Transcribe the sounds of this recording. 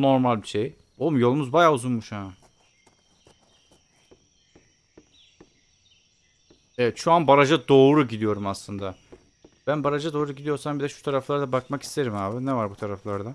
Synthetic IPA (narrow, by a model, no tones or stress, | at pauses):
no̞ɾmalʲbiʃe̞j | olˠmjo̞lˠumuzbajaːuzunmuʃha | ɛvɛt̪ʃuanbaɾad͡ʒad̪o̞ːɾuɟid̪ijo̞ɾumaslˠɯnd̪a | b̥ænbaɾad͡ʒad̪o̞ːɾuɟid̪ijo̞ɾsambid̪ɛʃu̥t̪ʰaɾaflˠaɾd̪abakmaki̥st̪ʰe̞ɾimhaːbɯnɛvaɾbut̪ʰaɾaflˠaɾd̪a